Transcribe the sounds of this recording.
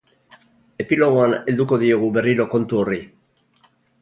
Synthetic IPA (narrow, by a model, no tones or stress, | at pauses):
e̞pilo̞ɣ̞oane̞ld̪uko̞ðioɣ̞uβe̞riɾoko̞nt̪uo̞ri